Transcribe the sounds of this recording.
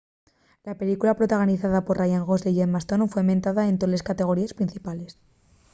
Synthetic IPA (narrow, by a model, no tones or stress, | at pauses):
lape̞likulapɾo̞t̪aɣ̞o̞niθaðapo̞ɾrajaŋɣo̞zðeʝemast̪onfwe̞mẽ̞nt̪aðaent̪ole̞skat̪e̞ɣ̞o̞ɾiespɾin̟θipale̞s